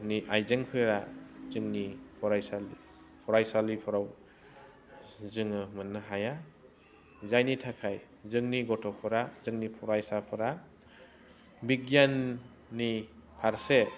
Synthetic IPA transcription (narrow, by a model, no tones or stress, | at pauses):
niʔajzeŋpʰɯɾazɯŋnipʰɔɾajsali | pʰɔɾajsalipʰɔɾaw | zɯŋɯmɯnːɯɦaja | zajnitʰakʰaj | zɯŋniɡɔtʰɔpʰɯɾazɯŋnipʰɔɾajsapʰɯɾa | biɡjanː | ipʰaɾse